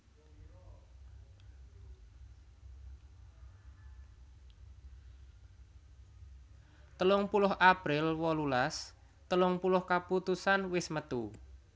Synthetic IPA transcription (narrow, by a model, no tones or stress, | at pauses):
t̪əlʊŋpulʊɦʔapɾɪlwɔlulas | t̪əlʊŋpulʊhkaput̪usanwɪsmət̪u